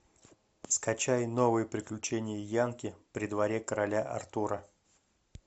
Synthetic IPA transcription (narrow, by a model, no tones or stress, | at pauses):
skɐt͡ɕajno̞vɨjəpɾʲɪklʲʉt͡ɕenʲɪjəjankʲɪpɾʲɪd̪vɐɾʲekəɾɐlʲaʔɐ̰rt̪uɾə